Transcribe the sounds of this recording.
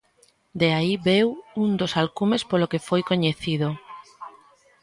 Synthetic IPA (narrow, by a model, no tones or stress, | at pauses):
d̪eaiβewund̪osalkumespolokefojkoɲeθið̞o